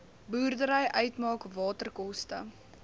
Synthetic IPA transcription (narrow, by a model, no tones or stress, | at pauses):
buːrdəɾəjʔœɥtmɑːkvɑːtərkɔstə̰